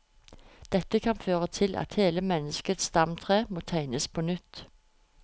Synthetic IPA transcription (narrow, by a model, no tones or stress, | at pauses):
d̪̥ɛt̪əkʰɑnføːʁət̪ʰɪlʔɑ̰t̪heːləmɛnəskət̪sst̪ɑmt̪ʰʁeːmoːt̪ʰæɪnəspʰoːnʏt̪